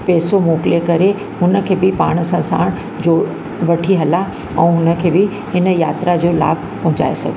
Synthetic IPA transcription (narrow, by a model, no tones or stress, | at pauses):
pɛːsomoːklekɐɾe | hʊnə̆kʰeːbɪpaːɽ̃ə̆sãsa̰ːɽ̃ | d͡ʑoː | ʋɐʈʰiɦɐla | ɛ̃ːɦʊnə̆kʰeːbɪ | ɦɪnə̆jaːt̪ɾad͡ʑoːla̰ːbʱpɐ̃ɦʊ̃ɲd͡ʑa̰ːḛsɐ̰ɡʱ